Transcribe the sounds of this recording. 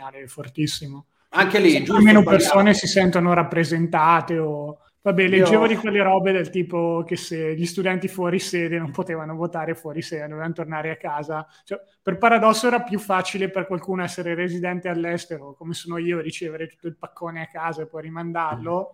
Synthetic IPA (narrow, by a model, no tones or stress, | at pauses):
aːlefort̪isːimo | aŋkelid͡ʒalmeːnopersoːnesisɛnt̪onoɾapːɾezent̪aːt̪eo | vabɛled͡ʒːeːvolikwelːeɾɔːbed̪elt̪iːpok̟eseʎist̪ud̪ɛnt̪ifwɔɾiseːd̪enompot̪eːvanovot̪aːɾefwɔɾiseːd̪ed̪ovevanot̪ornaːɾeakːaːza | t͡ʃɛ | perpaɾad̪ɔsːoɛːɾapjufːaːt͡ʃileperkwalkuːnoɛsːeɾerezid̪ɛnt̪ealːɛst̪eɾokomesoːnoiːoɾit͡ʃeːveɾet̪u̥t̪ːoilpakʰːoːneakːaːzaepːɔjrimand̪arlo